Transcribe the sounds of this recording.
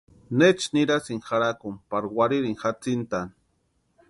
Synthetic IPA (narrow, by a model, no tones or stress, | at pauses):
net͡ʃniɾasiŋxaɾakumpaɾwaɾiɾiŋxat͡sint̪an